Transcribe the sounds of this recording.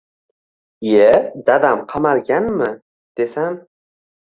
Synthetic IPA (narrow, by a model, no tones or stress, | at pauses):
ed̪ad̪amqʰɑmalɡʲanmɪ | d̪̥e̞sam